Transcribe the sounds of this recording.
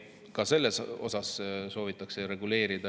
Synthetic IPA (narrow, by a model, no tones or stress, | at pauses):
kɑse̞lːeso̞̰sɑsso̞ːvit̪ːˑɑkse̞ɾe̞ɡ̥ule̞ːɾid̪̥ɑ